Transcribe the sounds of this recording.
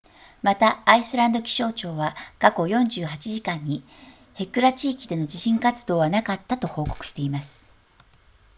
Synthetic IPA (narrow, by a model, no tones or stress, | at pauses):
mat̪aːisɨɾãnd̪o̞kʲi̥ɕo̞ːt͡ɕo̞ːβakako̞jõ̞ɲ̟d͡ʑɨːɦat͡ɕiʑikãɲ̟ːi | he̞kɯ̟ɾat͡ɕiːkʲid̪e̞no̞d͡ʑiɕĩŋkat͡sɨ̥d̪o̞ːβanakat̪ːat̪o̞ho̞ːko̞̥kɯ̟ɕi̥t̪e̞imasɨ̥